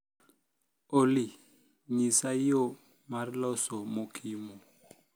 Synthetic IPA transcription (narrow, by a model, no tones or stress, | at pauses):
oli | ɲisaijo | maɾilɔsɔmokʰimɔ